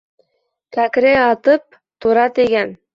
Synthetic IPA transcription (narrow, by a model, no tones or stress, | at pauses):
kækɾeɑt̪ɤp̚ | t̪uɾɑt̪iɡæn